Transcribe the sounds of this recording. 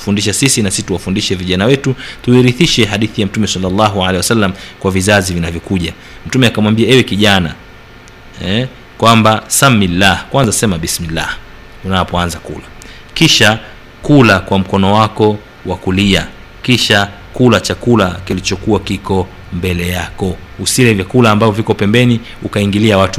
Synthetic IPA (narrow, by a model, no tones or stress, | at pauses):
fundiʃasisinasisituwafundiʃɛviʄanawɛtutuiɾiθiʃɛhaɗiθijam̩tumɛsalːalːaɦualɛhiwasalːamkwavizazivinavjɔkuʄa | m̩tumɛakamwambiaɛwɛkiʄana̰ | ɛ | kwambasamːilːahkwanzasɛmaɓismilːa̰h | unapɔanzakṵla | kiʃa | kulakwam̩kɔnɔwakɔ | wakulia | kiʃa | kulat͡ʃakulakilit͡ʃɔkuwakikɔ | mbɛlɛjakɔ | usilɛvjakulaːmbavɔvikɔpɛmbɛni | ukaiŋɡiliawatu